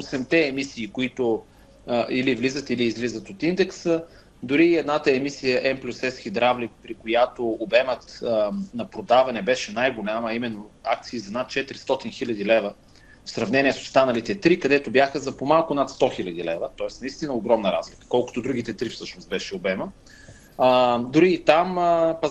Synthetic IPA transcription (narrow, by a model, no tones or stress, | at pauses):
osɛmt̪ɛːmisiːkoit̪ʊ | ilivlizət̪iliːzlizət̪ot̪ind̪ɛksə | d̪ʊɾiːɛd̪nat̪əɛmisijəʔɛmplʲusɛskʲid̪ɾavlik̚pɾikojat̪oːbɛmət̪nɐpɾod̪avɐnɛbɛʃɛnajɡolʲaməːimɛnːoak̚t̪siːzɐnat̪̚t͡ʃɛt̪ɾist̪ɔt̪inxilʲɐd̪ilɛvə | fsɾɐvnɛniɛso̥st̪anəlit̪ɛt̪ɾikɐd̪ɛt̪objaxəzɐpomalˠkʊnat̪st̪ɔxilʲɐd̪ilɛvət̪ɔɛsnɐist̪inəoɡɾɔmnəɾazlikə̥kɔlˠkʊ̥t̪od̪ɾuɡit̪ɛt̪ɾifsɤʃnost̪̚bɛʃɛobɛmə | d̪ʊɾiːt̪aməpɐ